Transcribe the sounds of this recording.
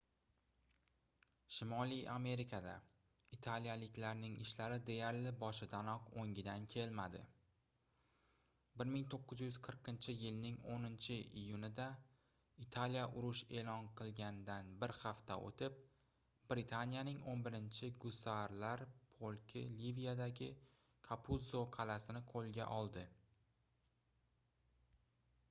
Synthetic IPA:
ʃɪmɒlijʔame̞ɾɪkʰad̪a̰ | it̪ʰalijalɪkʲlaɾnɪŋɪʃlaɾɪd̪e̞jaɾlɪbɒʃɪd̪anɒqoŋʲɪd̪ankʲʰe̞lmad̪ɪ̰ | bɪɾmɪŋt̪ʰoqːɨzjʊz̥qʰɨɾqʰɪnt͡ʃʰɪjɪlnɪŋonɪnt͡ʃʰɪijʊnɪd̪a | it̪ʰalijaʔʊɾʊʃe̞lˠɒnqʰɨlˠɡʲand̪anbɪɾhaft̪a̰ʔo̰t̪ʰɪp̚ | b̥ɾɪt̪ʰanijanɪŋonbɪɾɪnt͡ʃʰɪɡʊsaɾlaɾpʰolˠkʲʰɪ̰livijad̪aɡʲɪ | kʰapʰuzoqʰɑlasɪnɪqʰolˠɡʲa̰ʔɒlˠd̪ɪ

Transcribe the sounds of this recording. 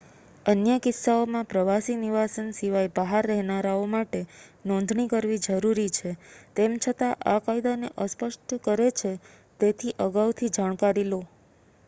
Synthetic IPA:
ənjəkɪsːaomãpɾəʋasiniʋasənsiʋajbaɦaɾːɛɦnaɾaomaʈenɔ̃nd̪ʱɳikəɾʋid͡ʒəɾuɾit͡ʃʰet̪emt͡ʃʰət̪aʔakajd̪aneʔəspəʃʈkəɾet͡ʃʰe | t̪et̪ʰiʔəɡawt̪ʰid͡ʒaɽ̃kaɾilo

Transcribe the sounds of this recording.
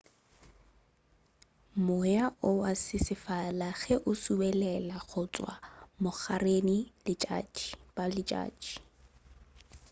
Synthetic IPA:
mʊjaʔʊwasɪsɪfalaɣɛʔʊsubɛlɛlaɣʊt͡sʼwa̰mʊχarenilɪt͡ʃʼa̰d͡ʒib̥alɪt͡ʃʼa̰ːd͡ʒi̥

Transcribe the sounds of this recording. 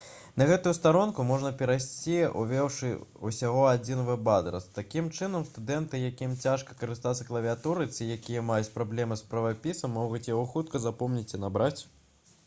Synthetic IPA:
nɐɣɛt̪ujust̪aɾɔnkumɔʐnɐpʲɛɾajsʲt͡sʲiṵvʲɛwʂɨusʲaɣɔad͡zʲinvɨbad̪ɾɐ̰st̪akʲimt͡ʂɨnɐmst̪ud̪ɛnt̪ɨjakʲimt͡sʲaʂkɐ̥kɐɾɨst̪at̪sɐklˠɐvʲiat̪uɾɨt͡sʲijakʲijɐmajut͡sʲpɾablʲɛmɨspɾɐvapʲisɐmːɔɣut͡sʲjaɣɔxut̪kɐzapɔmnʲit͡sʲinabɾat͡sʲ

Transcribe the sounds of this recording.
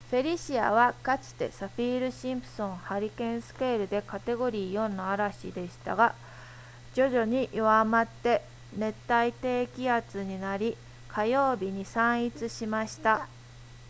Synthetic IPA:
ɸe̞ɾʲiɕia̰βakat͡ɕi̥t̪e̞̰saɸʲiːɾɯ̟ɕĩmpɯ̟̥sõ̞ɴ̃haɾʲikẽ̞ɰ̃sɨ̥keːɾɯ̟d̪e̞kat̪e̞ɡo̞ɾʲiːjo̞nːaaɾaɕḭd̪e̞ɕi̥t̪a̰ɡa | d͡ʑo̞ʑo̞ɲ̟iʔjoamat̪ːe̞ | ne̞t̪ːait̪e̞ːkʲiat͡sɨɲ̟inaɾʲi | kʰajo̞ːbʲiɲ̟isãɰ̃it͡sɨɕimaɕi̥t̪a

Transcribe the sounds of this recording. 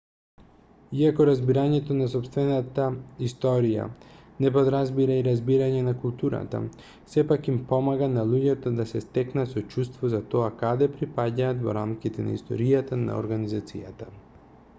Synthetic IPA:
iakɔɾazbiɾaɲɛt̪onas̬ɔpst̪vɛnat̪aist̪ɔɾija̰ | nɛp̬od̪ɾazbiɾaiɾazbiɾaɲɛnakulˠt̪uɾa̰t̪a̰ | sɛpakimpɔmaɡanalˠuɟɛt̪ɔd̪asɛst̪ɛknasɔt͡ʃust̪vɔzat̪ɔakad̪ɛpɾipaɟaːt̪vɔ̰ɾamkʲit̪ɛna̰ḭst̪ɔ̰ɾijat̪ana̰ɔ̰ɾɡanizat̪sḭjat̪a

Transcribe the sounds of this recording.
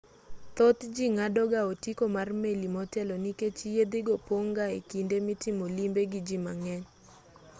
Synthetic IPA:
t̪ɔt̪d͡ʒiŋadɔɡaotikomarmelimɔtɛlɔniket͡ʃjed̪eɡopoŋɡaḛkindemitɪmolimbeɡɪd͡ʒimaŋɛɲ

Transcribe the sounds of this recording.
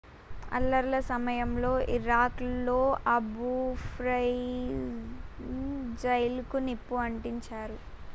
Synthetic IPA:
ɐ̰lːɐɾlɐsɐmɐjɐmlo̞ːʔiɾaːklo̞ːʔɐbupʰɾɐj | d͡ʒɐjlkunipːuɐɳʈiɲt͡ʃaːɾu

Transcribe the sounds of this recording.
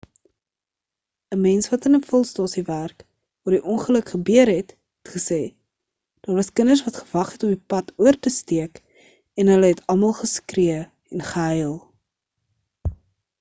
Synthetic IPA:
əmɛnsvɐtənəfɔlˠstɑːsiværk | vɑːrdiʔɔnχələkχəbyəɾɦɛt | ɛtχəsɛː | d̥ɑːrvɐskənəsvɐtχə̥vɐχɛtɔmipɐtʰuərtəstiək | ɛnɦələɦɛtʰɐlˠmɐlˠχəskriə | ɛnχəɦɛjlˠ

